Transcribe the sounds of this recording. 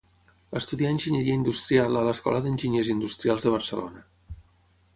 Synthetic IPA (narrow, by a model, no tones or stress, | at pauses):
əst̪uðiaənʲʒiɲəɾiəind̪ust̪ɾialələskɔ̰ləðənʲʒiɲezind̪ust̪ɾialˠzðəβərsəlo̰nə